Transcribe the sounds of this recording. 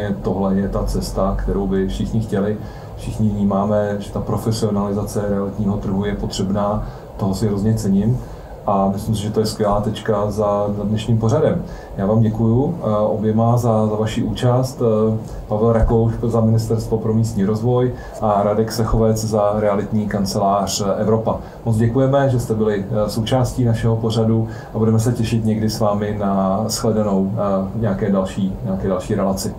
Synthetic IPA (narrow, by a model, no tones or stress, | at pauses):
ɛt̪o̞ɦlɛjɛt̪at͡sɛst̪akt̪ɛɾowbɪfʃɪxɲɪxcɛlɪ | fʃɪxɲɪvɲiːmaːmɛʒɛt̪apɾo̞fɛsɪo̞nalɪzat͡sɛɾɛalɪt̪ɲiːɦo̞t̪ɾr̩ɦujɛpot̪r̝̥ɛbnaː | t̪o̞ɦosɪɦɾozɲɛt͡sɛɲɪm | ʔamɪsɪmsɪʒɛt̪ojɛskvʲjɛlaːt̪ɛt͡ʃkazazadnɛʃɲiːmpo̞ɾadɛm | jaːvaːmɟɛkujuʔobjɛmazazavaʃiʔuːt͡ʃast̪ | pavɛlɾaklowʃzamɪnɪst̪ɛɾst̪vo̞pɾo̞miːst̪ɲiːɾozvo̞j | ʔaɾadɛksɛxovɛt͡szaɾɛalɪt̪ɲiːkant͡sɛlaːr̝̥ʔɛvɾo̞pa | mot͡sɟɛkujɛmɛʒɛst̪ɛbɪlɪso̞wt͡ʃaːsciːnaʃɛɦopo̞r̝adu | ʔabudɛmɛsɛcɛʃɪt̪ɲɛɡdɪsvaːmɪnasxlɛdano̞wɲɛakɛːdalʃiːɲɛakɛːdalʃiːɾɛlat͡sɪ